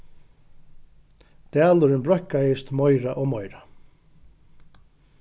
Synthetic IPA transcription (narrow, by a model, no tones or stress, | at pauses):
t̪æːlʏɾɪnbɾœhkajɪst̪mɔjɾaʔɔɣmɔjɾa